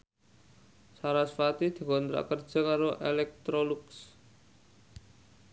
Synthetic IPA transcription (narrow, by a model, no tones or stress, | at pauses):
saɾasfat̪id̪̥i̤kɔnt̪ɾa̰kərd̥d͡ʒ̥a̤kaɾoʔelɛk̚t̪ɾoluks